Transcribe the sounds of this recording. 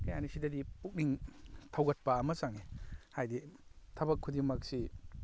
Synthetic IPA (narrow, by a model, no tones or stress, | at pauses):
kɐjanisidɐdipuk̚niŋtʰawɡɐt̚pɐːmɐsaŋehajditʰɐbɐkʰːudiŋmɐk̚si